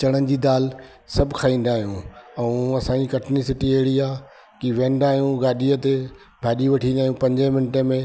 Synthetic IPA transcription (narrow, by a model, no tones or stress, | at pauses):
t͡ɕɐɽ̃ən̆d͡ʑiːd̪aːl | sɐbʱɪkʰaːĩːn̆d̪aːɦijũɛ̃ɐsãːɲd͡ʑikɐʈʰnisɪʈiɐɦɪɽiaː | kiʋẽːn̆d̪aːɦijũɡaːɗiət̪e | bʱaːɗiʋɐʈʰĩnd̪aːɦijũpɐ̃ɲd͡ʑəmɪnɪʈəmẽ